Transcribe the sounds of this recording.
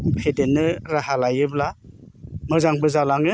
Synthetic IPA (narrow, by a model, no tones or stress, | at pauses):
pʰedenːɯɾahalajɯbla | mɯzaŋbɯzalaŋɯ